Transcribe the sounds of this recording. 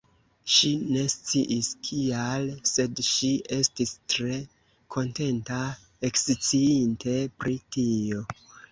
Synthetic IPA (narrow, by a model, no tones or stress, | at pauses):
ʃine̞st͡siʔiskʰialse̞dʃie̞stistɾe̞ | kʰo̞nte̞nta | ekst͡siintʰe̞pɾitio̞